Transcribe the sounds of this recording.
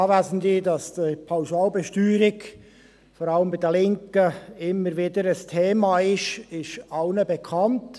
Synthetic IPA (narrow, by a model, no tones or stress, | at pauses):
ɑːvæzn̩didɑsd̥ipʰaʊʃɑːlbɛʃtyːɾɪɡ | fɔɾɑləmbɪdəlɪŋkəɪmːəɾʋɪdəɾəstʰeːmɑːɪʃɪʃaʊnəbekʰɑnt